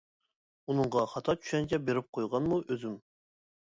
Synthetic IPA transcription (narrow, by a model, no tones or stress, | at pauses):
unɨɴʁɑχɑt̪ʰɑt͡ʃ̪ʰy̥ʃɛnt͡ʃʰɛbeɾɪp̚qʰojʁɑnmuʔøzɪm